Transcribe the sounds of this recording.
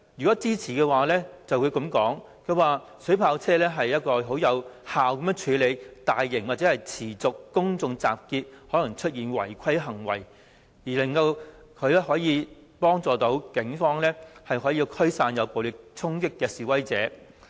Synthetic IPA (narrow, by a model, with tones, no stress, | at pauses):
jy˨˩kɔː˨˥t͡siː˥t͡sʰiː˨˩kɛː˧waː˨lɛː˥t͡sɐ˨wku˨˧ɥkɐ˨˥mkɔː˨˥ŋ | kʰɵ˨˧ɥwaː˨ | sɵ˨˥pʰaː˧wt͡sʰɛː˥lɛː˥ɦɐ˨jːɐ˥t̚kɔː˧ɦo˨˥wjɐ˨˧whaː˨wkɐ˨˦mjœː˨˧˥ŋt͡ʃʰyː˨˧le˨˧jt̪aː˨jːɪ˨˩ŋwaː˨˩t͡sɛː˨˥hɐ˨jt͡sʰiː˨˩t͡sʊ˨kːʊ˥ŋt͡sʊ˨ŋt͡sa̰ː˨p̚kiː˧t̚hɔː˨˥lɐ˨˩ŋt͡ʃʰɵ˥t̚jiː˨nwɐ̰˨˩jkʰɐ˥jɦɐ˨˩ŋwɐ̰˨˩j | jiː˨˩lɐ˨˩ŋkɐ˧w | kʰɵ˨˧ɥlɛː˥hɔː˨˥jiː˨˧ | pɔː˥ŋt͡sɔː˨t̪o˨˥wkɪ˨˥ŋfɔː˥ŋlɛː˥hɐ˨jɦɔː˨˥jiː˧kʰɵ˥ɥsaː˧njɐ˨˧wpo˨wlɪ˨˩k̚t͡sʰʊ˥ŋkɪ˥kːɛː˧siː˨wɐ˥jt͡sɛ̰ː˨˥